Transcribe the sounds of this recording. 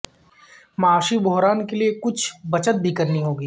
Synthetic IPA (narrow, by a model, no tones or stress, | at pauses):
mɐaːʃibʱoɦɾaːnkeliekʊt͡ʃʰbɐt͡ʃət̪̚bʱikɐɾniɦoːɡiː